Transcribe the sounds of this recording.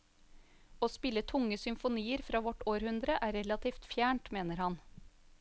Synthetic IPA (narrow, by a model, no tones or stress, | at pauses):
oːspɪlət̪ʰʊŋəsʏmfʊniːəɾfɾɑːʋɔʈoːɾhʉnd̪ɾəʔæːɾɛlɑt̪ʰiːft̪fjæːɳʈmeːnəɾhɑn